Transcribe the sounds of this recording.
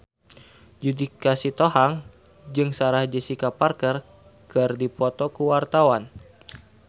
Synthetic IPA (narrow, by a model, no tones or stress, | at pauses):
d͡ʒudikasit̪ohaŋ | d͡ʒɨŋsaɾahd͡ʒəsikaparkər | kɨrdipɔt̪ɔkuwart̪awan